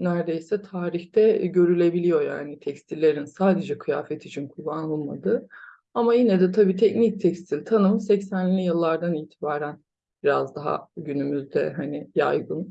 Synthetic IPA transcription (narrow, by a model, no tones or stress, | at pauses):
næɾd̪e̞jsɛt̪ʰaːɾiçt̪ɛɟø̞ɾylʲe̞bilʲijo̞ja̰ːnit̪ʰɛcst̪ʰilʲːe̞ɾinsaːd̪e̞d͡ʒɛkʰɯja̰ːfɛt̪ʰit͡ʃʰinkʰubanlˠma̰d̪ɯ | amajinɛd̪ɛt̪ʰabiːt̪ʰɛcnic̚t̪ʰɛcst̪ʰilʲt̪ʰanɯmsɛcsænlʲijɯlˠːaɾd̪aniːt̪ʰibaːɾæn | biɾazd̪aɦa̰ɟynymyzd̪ɛ̰ɦanɪja̰jɡɯn